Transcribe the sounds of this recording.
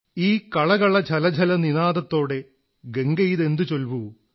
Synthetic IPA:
iːkɐɭɐɣɐɭɐd͡ʑʰʱɐlɐd͡ʑʱɐlɐninaːðɐt̪ːo̞ːɽe̞ | ɡe̞ŋɡɐjiðe̞nd̪ɨt͡ɕo̞lʋu

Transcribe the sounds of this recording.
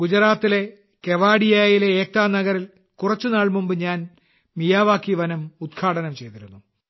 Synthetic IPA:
ɡ̥ud͡ʑɐraːt̪ːile̞ | ke̞ʋaːɽijaːjileeːk̚t̪aːnɐɣɐɾil | kurɐt͡ɕːunaːɭmumbɨɲaːn | mijaːʋaːkːiʋɐnɐmud̪kʰaːɽɐnɐmt͡ɕe̞jt̪iɾunːu

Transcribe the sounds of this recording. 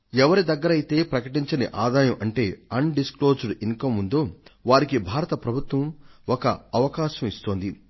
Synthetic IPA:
ɛʋɐɾid̪ɐɡːɐɾɐjit̪e̞ːpɾɐkɐʈiɲt͡ʃɐniʔaːd̪aːjɐmʔɐɳʈe̞ːɐnɖisklo̞ːd͡ʒɐɽiŋkɐmːund̪oːʋaːɾikibʱaːɾɐt̪ɐpɾɐbʱut̪ʋɐmɔkɐɐʋɐkaːʃɐmist̪oːnd̪i

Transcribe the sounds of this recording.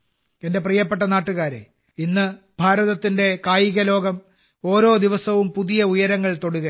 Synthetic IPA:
e̞nde̞prijɐp̬ːe̞ʈːɐnaːʈːuɣaːɾḛ | inːɨ | b̥ʱaːɾɐðɐt̪ːinde̞kaːjiɣɐlo̞ːɡɐm | o̞ːɾo̞ːd̪iʋɐsɐʋumpuðijɐujɐɾɐŋːɐɭt̪o̞ɽuɣɐ

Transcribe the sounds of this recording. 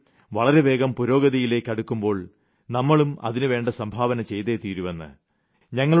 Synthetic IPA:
ʋɐɭɐɾe̞ʋe̞ːɡɐmpuɾo̞ːɡɐðijile̞ːkʲːɐɽukːumbo̞ːɭ | nɐmːɐɭumɐ̰ðinɨʋe̞ːɳɖɐsɐmbʱaːʋɐnɐt͡ɕe̞jt̪e̞ːt̪iːɾuʋenːɨ̰ | ɲɐŋːɐɭ

